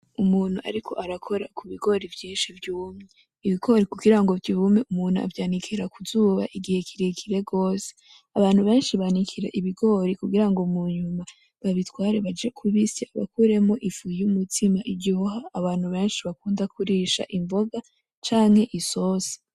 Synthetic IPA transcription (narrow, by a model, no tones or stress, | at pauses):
umuːn̥uʔa̰ɾikʰo̞̰ʔaɾakʰo̞ɾakʰuβiɡo̞ɾivjiːnʃivjuːmŋe | iβiɡo̞ɾikuɡiɾaŋɡo̞vjuːmeʔumuːnhua̰vjaːnikʰiɾakuzuːβa̰ʔiɡihekʰiɾekʰiɾe̞ɡo̞ːse̥ | aβaːn̥uβe̞ːnʃiβanikʰiɾeʔiβiɡo̞ːɾikuɡiɾaŋɡo̞muɲuma | βaβitwaːɾe̞βad͡ʒe̞kʰuβisiaβa̰kuɾe̞mo̞ʔifuumutʰimaʔiɟihohaːβaːn̥huβe̞ːnʃiβakuːndakʰuɾiʃa̰ʔiɱvo̞ɡa | t͡ʃaːŋhe̞ʔiso̞si̥